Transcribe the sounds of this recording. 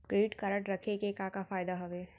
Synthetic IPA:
kɾeːʈkɐɾəʈɾɐkʰekekakafaːjd̪aɦɐʋe

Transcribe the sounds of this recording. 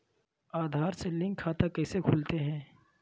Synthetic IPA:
aːd̪ʱaːɾselɪ̃ŋkʰːaːt̪akɛːsekʰʊlt̪eɦɛ̃ː

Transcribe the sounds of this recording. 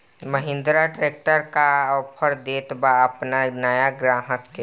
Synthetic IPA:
məɦɪ̃nd̪ɾaʈɾeːk̚ʈəɾkaɔpʰəɾd̪eːt̪baəpnanəjaɡɾaːɦəkːe

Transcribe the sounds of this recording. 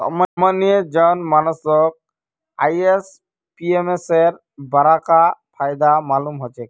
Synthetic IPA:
sɔ̰mamanied͡ʒɔnmanɔsɔk̚ | ajes | piemeseɾ | baɾakapʰajd̪amalumɦɔt͡ʃʰek

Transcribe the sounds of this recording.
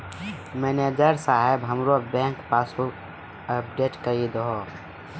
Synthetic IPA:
meːned͡ʒəɾsaːɦebɦəmɾobɛ̃ːŋkpaːsu | əp̚ɖeːʈkəid̪oɦo

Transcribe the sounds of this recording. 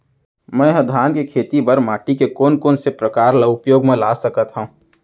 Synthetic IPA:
mɛ̃ɦə̃d̪ʱaːnkekʰeːt̪ibəɾmaːʈikekoːnkoːnsepɾəkaːɾləʊpjoːɡmẽlaːsəkət̪ɦãː

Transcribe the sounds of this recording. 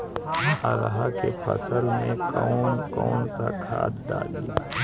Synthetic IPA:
aɾɦakepʰə̰səlmẽkɔːnkɔːnsakʰaːt̪d̪aːɡlaː

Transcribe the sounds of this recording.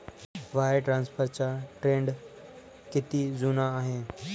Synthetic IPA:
ʋaːeʈɾãːnspʰəɾt͡ɕaʈɾẽːɳɖ | kɪt̪izuːnaaːɦẽ

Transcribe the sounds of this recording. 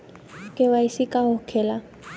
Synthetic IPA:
kʼɪwaisɪkʼahʊkʰɛːla

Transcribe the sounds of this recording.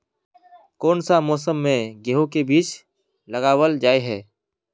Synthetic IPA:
kɔːnsamɔːs̬əmːẽɡeɦõkebiːt͡ʃ | ləɣaːwəld͡ʒaːeɦɛː

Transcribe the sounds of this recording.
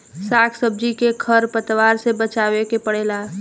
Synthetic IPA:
saːkʰsəb̚d͡ʒikekʰəɾpət̪ʋaːɾsebət͡ʃaːwekepəɽeːla

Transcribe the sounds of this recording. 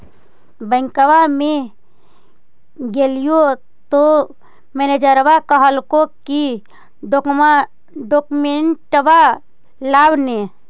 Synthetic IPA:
bəŋkəwamẽ | ɡelijo | t̪o | mened͡ʒəɾbakəɦəlkoki | ɖokma | ɖokumeɳʈəba | lawne

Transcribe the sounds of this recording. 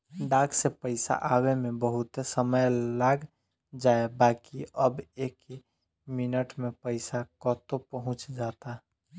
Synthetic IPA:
ɖaksepəɪsa̰ʔawemebəɦut̪səməjlaɡ | d͡ʒaebaːkiəbeki | minəʈmepəɪsakɔt̪opəɦʊ̃t͡ʃd͡ʒat̪aɦ

